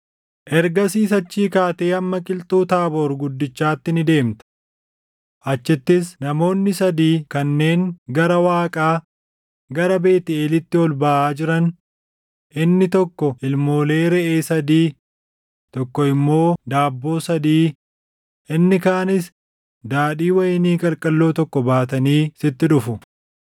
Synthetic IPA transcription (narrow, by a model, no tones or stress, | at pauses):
ʔɛɾɡɐsiːs̬ɐt͡ʃːiːkaːt̪e̞ːɐmːɐkʼɪlt̪ʼuːt̪aːboːɾɡʊd̪ːɪt͡ʃːaːt̪ːɪnɪd̪e̞ːmt̪ɐ̥ | ʔɐt͡ʃːɪt̪ːɪsnɐmo̞ːnːɪsɐd̪iːkɐnːe̞ːŋɡɐɾɐwaːkʼaː | ɡɐɾɐbe̞ːt̪ɪeːlɪt̪ːɪɔlbɐʔaːd͡ʒɪɾɐn | ʔɪnːɪt̪ɔkːɔʔɪlmo̞ːle̞ːɾɛʔeːsɐd̪iː | t̪ɔkːɔɪmːo̞ːd̪aːbːo̞ːsɐd̪iː | ɪnːɪkaːnɪs | d̪aːᶑiːwɐjniːkʼɐlkʼɐlːo̞ːt̪ɔkːɔbaːt̪ɐniːsɪt̪ːɪᶑʊfʊ